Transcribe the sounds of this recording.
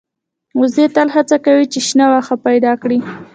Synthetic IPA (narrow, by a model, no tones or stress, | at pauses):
ʊzd̪et̪alɦat͡sakawit͡ʃeʃnawaxapajd̪ɑkɽi